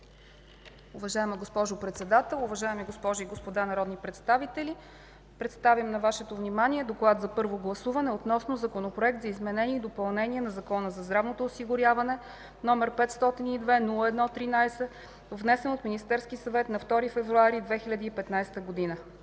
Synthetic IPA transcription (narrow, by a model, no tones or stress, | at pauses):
uvɐʒaɛməɡospɔʒʊpɾɛt̪sɛd̪at̪ɛlˠʊvɐʒaɛmiɡospɔʒoiɡospod̪anɐɾɔd̪nipɾɛt̪st̪avit̪ɛlʲi | pɾɛt̪st̪avimnɐvaʃɛt̪ovnimaniɛd̪oklˠad̪zɐpɤɾvoɡlˠɐsuvɐnɛot̪nɔsnozɐkonopɾoɛk̚t̪zɐizmɛnɛnʲiɛid̪opɐlˠnɛnʲiɛnɐzɐkɔnəzɐzd̪ɾavnot̪oːsiɡʊɾʲjavɐnɛ | nɔmɛɾpɛt̪st̪ɔt̪inid̪vɛnulˠəɛd̪nɔt̪ɾinajsɛ | vnɛsɛnot̪minist̪ɛɾskisɐvɛt̪nɐft̪ɔɾifɛvɾuaɾid̪vɛxilʲɐd̪iːpɛt̪najst̪əɡod̪inə